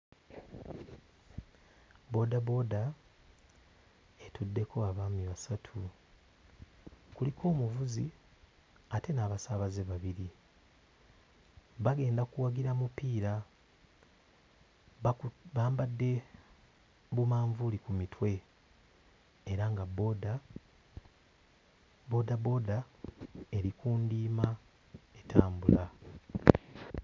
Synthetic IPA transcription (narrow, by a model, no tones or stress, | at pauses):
bo̞ːdabo̞ːda | etudːe̞ko̞aβaːmiβasatʰu | kulikʰo̞ːmuvuzi | ate̞naːβasaβazeβaβiɾi | βaɡe̞ːndakuwaɡiɾamupiːɾa | βaːmbadːe̞ | βumaːɱvulikumitʰwe̞ | ɾaŋɡabo̞da | bo̞dabo̞da | e̞ɾikuːndiːma | etʰaːmbula